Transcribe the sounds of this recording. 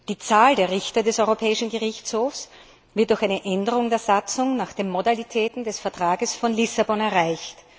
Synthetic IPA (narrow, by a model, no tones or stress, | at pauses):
d̥iːt͡saːldeːɐʁɪçtɐdɛsɔʏʁopʰɛːɪʃn̩ɡəʁɪçt͡shoːfs | v̥ɪɐt̚d̥ʊɐxaɪnəʔɛndəʁʊŋdeːɐzat͡sʊŋnaːxd̥eːmːodalitʰɛːtn̩dɛsfɛɐtʁ̥aːɡəsfɔnlɪsabɔnɛɐʁaɪçt